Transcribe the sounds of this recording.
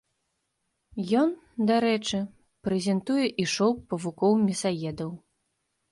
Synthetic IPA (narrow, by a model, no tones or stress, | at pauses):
jɔn | d̪aɾɛt͡ʂɨ | pɾɛzʲɛnt̪ujɛʔiʂɔwpɐvukɔwmʲisajɛd̪ɐw